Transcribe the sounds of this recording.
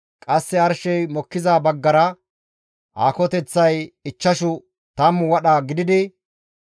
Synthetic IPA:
kʼɐsːɛɐɾʃɛjmɔkːɪzaːbɐɡːɐɾɐ | ʔaːkɔt̪ɛt͡sːɐjɪt͡ʃːɐʃʊ | t̪ɐmːwɐɗaːɡɪd̪ɪd̪ɪ

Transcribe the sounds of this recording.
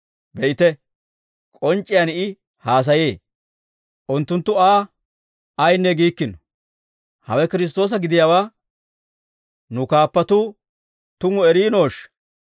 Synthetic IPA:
bɛʔɪt̪ɛ | kʼɔnt͡ʃʼːɪjanɪ | haːs̬ɐjeː | ʔʊnt̪ːʊnt̪ːʊaː | ɐjnːɛɡiːkːɪnɔ̥ | hɐwɛkɪɾɪs̬t̪o̞ːs̬ɐɡɪd̪ɪjawaː | nʊkaːpːɐt̪uː | t̪ʊŋʊɛɾiːno̞ːʃ

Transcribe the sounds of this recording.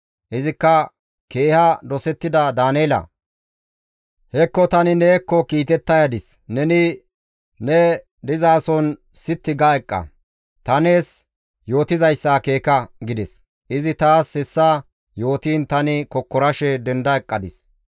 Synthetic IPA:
ʔɪzɪkːɐ | ke̞ːhɐd̪ɔsɛt̪ːɪd̪ɐd̪aːneːlɐ̰ | hɛkːɔt̪ɐnɪneːkːɔkiːt̪ɛt̪ːɐjɐd̪ɪs | nɛnɪ | nɛ | d̪ɪzaːsɔnsɪt̪ːɪɡaɛkʼːɐ̰ | t̪ɐne̞ːs | jo̞ːt̪ɪzɐjsːake̞ːkɐɡɪd̪ɛs | ɪzɪt̪aːshɛsːa | jo̞ːt̪iːnt̪ɐnɪkɔkːɔɾɐʃɛd̪ɛnd̪ɐɛkʼːɐd̪ɪs

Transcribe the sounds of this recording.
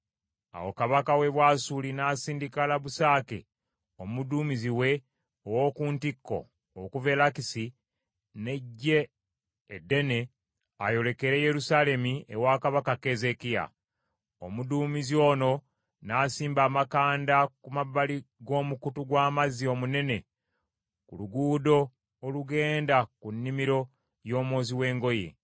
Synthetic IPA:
a̰wo̰kaβakawe̞βwaːsulinaːsiːndikalaβusaːkḛ | omuduːmiziwe̞ | owokuːntikːo̞̰ː | kuve̞lakisi | ne̞ɟːe̞ː | dːe̞ne̞ | ajo̞le̞ke̞ɾe̞je̞ɾusale̞miḛwaːkaβakake̞ze̞kija̰ | omuduːmizo̞ːno̞ | naːsiːmbaːmakaːndakumaβːaliɡo̞ːmukutuɡwaːmazio̞mune̞ne̞ | kuluɡuːdo̞ː | luɡe̞ːndakunːimiɾo̞ | jo̞ːmwoːziwe̞ːŋɡo̞jḛ

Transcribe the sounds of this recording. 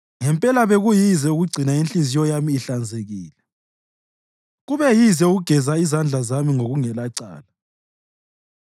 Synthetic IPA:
ŋɛmpʼɛlaβeɣujizɛuɣuɡ͡ǀʱinainɬʼizijɔjamiːɬand͡zʱeɣiːlɛ | ɣuβɛjizɛuɣuɡ̥ʱɛzaizand͡ɮʱazamiŋoɣuŋɛlaǀa̰ːla

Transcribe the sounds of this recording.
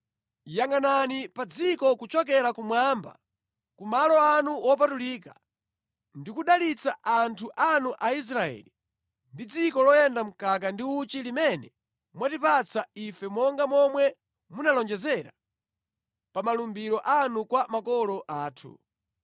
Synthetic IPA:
jaŋɡananipad͡zikɔkut͡ʃɔk̬ɛɾakumwaːmba̰ | kumalɔanuwɔp̬atuliːka | ndikuɗalit͡saʔantʰuʔanuʔais̬ɾaɛ̰ːli | ndid͡zikɔlɔjɛndam̩kakandiut͡ʃilimɛnɛ | mwatipat͡saifɛmɔŋɡamɔmwɛ | munalɔnd͡ʒɛzɛɾa̰ | pamalumbiɾɔʔanukwamakɔlɔʔaːtʰṵ

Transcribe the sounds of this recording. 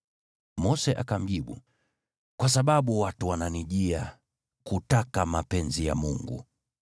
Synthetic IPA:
mɔsɛʔakam̩ʄiɓṵ | kwasaɓaɓuwatuwananiʄia | kutakamapɛnzija̰muŋɡṵ

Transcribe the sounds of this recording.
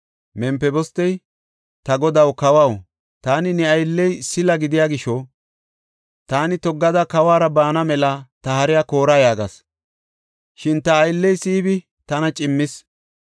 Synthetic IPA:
mɛmpːɛbɔst̪ːɛj | t̪ɐɡɔd̪ɐwkɐwaw | t̪aːnɪnɛɐjlːɛjsɪlɐɡɪd̪ɪjaːɡɪʃɔ | t̪aːnɪt̪ɔɡːɐd̪ɐkɐwaːɾɐbaːnɐmɛlɐt̪ɐhɐɾɪjako̞ːɾɐjaːɡɐ̰s | ʃɪnt̪ɐːjlːɛjsiːbɪ | t̪ɐnɐt͡ʃʼɪmːɪs

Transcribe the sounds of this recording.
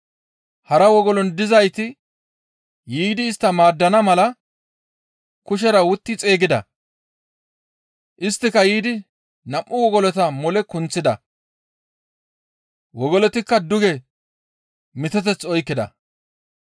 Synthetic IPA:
hɐɾɐwɔɡɔlɔnd̪ɪzɐjt̪ɪ | jiːd̪ɪːst̪ːɐmaːd̪ːɐnɐmɐlɐ | kʊʃ̬ɛɾɐwʊt̪ːɪt͡sʼe̞ːɡɪd̪ɐ̰ | ʔɪst̪ːɪkːɐjiːd̪ɪ | nɐʔʔːʊwɔɡɔlɔt̪ɐmɔlɛkʊnt͡sːɪd̪ɐ̰ | wɔɡɔlɔt̪ɪkːɐd̪ʊɡɛ | mɪt̪ɛt̪ɛt͡sːɔjkːɪd̪ɐ̰

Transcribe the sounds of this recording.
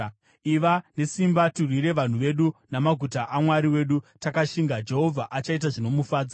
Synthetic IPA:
iʋane̞simbaturwiɾe̞ʋan̤uʋe̞ɗunamaɡʱutaʔamwaɾiwe̞ːɗutakaʃiŋɡad͡ʒe̞ɦo̞vʱaʔat͡ʃait̬aʐino̞mufaːd͡za

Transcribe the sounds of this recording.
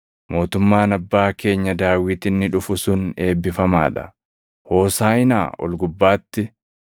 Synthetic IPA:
mo̞ːt̪ʊmːaːnɐbːaːke̞ːɲːɐd̪aːwiːt̪ɪnːɪᶑʊfʊsʊne̞ːbːɪfɐma̰ːᶑɐ̥ | ho̞ːsaːɪna̰ːʔɔ̰lɡʊbːaːt̪ːɪ

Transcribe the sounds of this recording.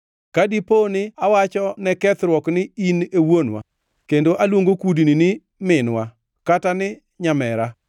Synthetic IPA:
kadiponɪawat͡ʃɔnɛkɛt̪ɾwɔknɪinewonwa̰ | kendoʔalwoŋɡokudinɪnɪ | mɪnwa | katanɪ | ɲamɛɾa

